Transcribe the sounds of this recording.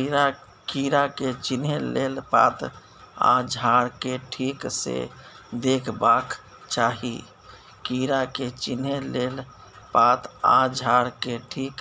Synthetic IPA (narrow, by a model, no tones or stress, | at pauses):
iɾa | kiɾaket͡ʃinɦelelpa̰t̪ | ã̰d͡ʒʱaɽkeʈʰiksḛd̪ekʰbak | t͡ʃaɦi | kiɾaket͡ʃinɦelel | pat̪ãd͡ʒʱaɽkeʈʰik